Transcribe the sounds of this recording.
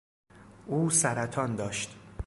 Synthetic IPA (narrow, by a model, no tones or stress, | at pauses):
ʔuːsæɾæt̪ʰɒːnd̪ɒːʃt̪